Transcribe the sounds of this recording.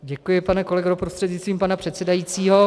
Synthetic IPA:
ɟɛkujɪpanɛko̞lɛɡoɾopɾost̪r̥ɛd̪ɲɪst̪viːmpanapr̝̥ɛt̪sɛdajiːt͡siːɦo

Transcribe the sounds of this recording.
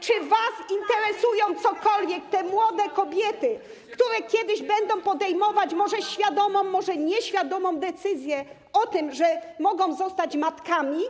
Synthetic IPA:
t͡ʂɘvasint̪ɛɾɛsujɔ̃w̃t̪sɔkɔlvʲjɛk̚t̪ɛmwɔd̪ɛkɔbʲjɛt̪ɘ | kt̪uɾɛkʲjɛd̪ɘʑbɛnd̪ɔ̃w̃pɔd̪ɛjmɔvat͡ɕmɔʐɛɕfʲjad̪ɔmɔ̃w̃ːɔʐɛɲɛɕfʲjad̪ɔmɔ̃w̃d̪ɛt̪sɘzʲjɛ | ɔt̪ɘmʐɛmɔɡɔ̃w̃zɔst̪at͡ɕmat̪kamʲi

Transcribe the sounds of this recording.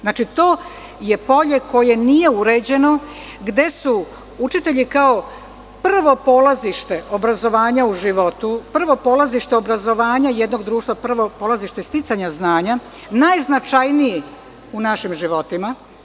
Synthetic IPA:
znaːt͡ʃit̪o̞ː | je̞po̞ʎe̞ko̞je̞nije̞uɾe̞d͡ʑe̞no̞ | ɡd̪e̞su | ut͡ʃit̪e̞ʎikao | pr̩ʋo̞po̞ːlaziʃt̪e̞o̞bɾazo̞ʋaːɲauʒiʋo̞t̪upr̩ʋo̞polaziʃt̪e̞o̞bɾazo̞ʋaːɲajed̪no̞ɡd̪ɾuːʃt̪ʋapr̩ʋo̞polˠaziʃt̪est̪it̪saɲaznaːɲa | najznat͡ʃajniji | unaʃimʒiʋo̞t̪ima

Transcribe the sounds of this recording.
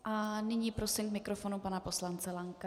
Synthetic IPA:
ʔanɪɲiːpɾosimkmɪkɾofo̞nupanapo̞slant͡sɛlaŋka

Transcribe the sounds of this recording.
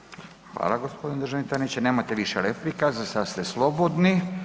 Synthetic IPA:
xʋa̰ːlaɡospo̞d̪ined̪ɾʒanit̪anit͡ɕaneːmat̪eʋiʃelefɾikazasast̪eslˠo̞bod̪ni

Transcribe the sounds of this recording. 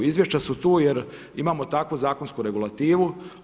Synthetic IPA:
izʋjeʃt͡ɕasut̪uːjeɾ | imaːmo̞t̪akʋuzaːkonskuɾe̞ɡulˠat̪iːʋu

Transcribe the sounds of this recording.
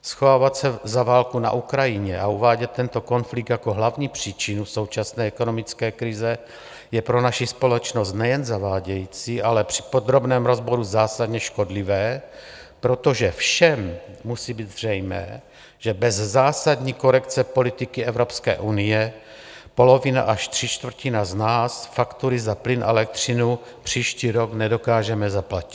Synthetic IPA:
sxovaːvat̪sɛzavaːlkuna̰ʔukɾajɪɲɛʔauvaːɟɛt̪ːɛnt̪oko̞nflik̚t̪jakoɦlavɲiːpr̝̥iːt͡ʃinuso̞wt͡ʃasnɛːɛko̞nomɪt͡skɛːkɾɪzɛ | jɛpɾo̞naʃispo̞lɛt͡ʃnost̪nɛjɛnzavaːɟɛjiːt͡siʔalɛpr̝̥ɪ̥po̞d̪ɾo̞bnɛːmɾo̞zbo̞ɾuzaːsad̪ɲɛʃko̞dlɪvɛː | pɾo̞t̪o̞ʒɛfʃɛmːusiːbiːd̪zr̝ɛjmɛ̰ː | ʒ̥ɛbɛzzaːsad̪ɲiːko̞ɾɛkt͡sɛpo̞lɪt̪ɪkɪɛvɾo̞pskɛ̰ːʔunɪjɛ | po̞lo̞vɪna̰ʔaʃt̪r̝̥it͡ʃt̪v̩cɪnaznaːsfakt̪uɾɪzaplɪnʔaɛɛlɛk̚t̪r̝̥ɪnu | pr̝̥iːʃciːɾo̞ɡnɛdo̞kaːʒɛmɛzaplaci̥

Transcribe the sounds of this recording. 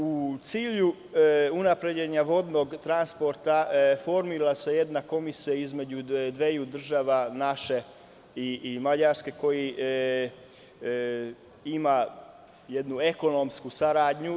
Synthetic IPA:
ut̪siːʎu | unapɾe̞d͡ʑeɲaʋo̞d̪no̞ɡt̪ɾanspo̞ɾt̪afo̞ɾmiɾlase̞je̞d̪nako̞misijaizme̞d͡ʑud̪ʋejud̪r̩ʒaːʋanaʃe | imaʎaɾske̞ko̞ji | ima | jed̪nue̞ko̞nomskusaɾaːd̪ɲu

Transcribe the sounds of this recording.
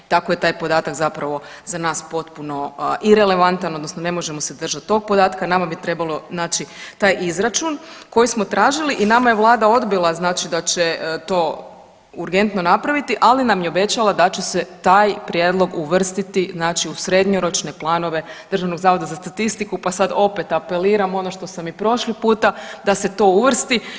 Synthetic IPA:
t̪ako̞je̞t̪aːjpo̞d̪aːt̪akzapɾaʋo̞ | zanaːspo̞t̪puno̞ʔiɾe̞le̞ʋant̪ano̞d̪nosno̞ne̞mo̞ʒe̞mo̞se̞d̪r̩ʒat̪ːo̞ɡ̚po̞d̪aːt̪kanamabit̪ɾe̞balˠo̞znaːt͡ʃit̪aːjʔizɾat͡ʃunko̞jismo̞t̪ɾaːʒiliʔinamajeʋlˠaːd̪ao̞d̪bilˠaznaːt͡ʃid̪at͡ɕet̪o̞ː | uɾɡe̞nt̪no̞napɾaʋit̪iʔalinamjeo̞be̞t͡ɕalad̪at͡ɕeset̪aːjpɾje̞ːd̪lˠo̞ɡuʋr̩st̪it̪iznaːt͡ʃiusɾe̞d̪ɲoɾo̞t͡ʃne̞plˠaːno̞ʋe̞d̪ər̩ʒaʋno̞ɡzaːʋo̞d̪azast̪at̪ist̪ikupasad̪o̞pe̞t̪ape̞liːɾamo̞noʃt̪o̞samipɾo̞ʃlipuːt̪ad̪ase̞t̪o̞uʋr̩st̪i

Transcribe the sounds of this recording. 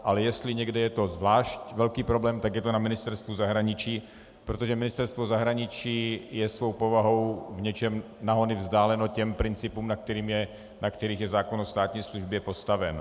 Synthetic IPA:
ʔalɛjɛst̪lɪɲɛɡdɛjɛt̪o̞zvlaːʃcvɛlkiːpɾo̞blɛːmt̪aɡjɛt̪onamɪnɪst̪ɛɾst̪vuzaɦɾaɲɪt͡ʃiː | pɾot̪oʒɛmɪnɪst̪ɛɾst̪vozaɦɾaɲɪt͡ʃiːjɛsvo̞wpo̞vaɦo̞wvɲɛt͡ʃɛm | naɦo̞nɪvzdaːlɛnocɛmpɾɪnt͡sɪpuːmnak̚t̪ɛɾiːmjɛ | nakt̪ɛɾiːɣjɛzaːkonost̪aːt̪ɲiːsluʒbjɛpo̞st̪avɛn

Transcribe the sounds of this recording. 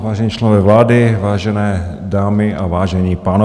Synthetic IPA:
vaːʒɛɲiːt͡ʃlɛnovɛːvlaːdɪvaːʒɛnɛː | daːmɪʔavaːʒɛɲiːpaːno

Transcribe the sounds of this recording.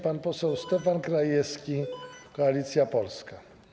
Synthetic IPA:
panpɔsɛwst̪ɛfankɾajɛskikɔalit̪sjapɔlska

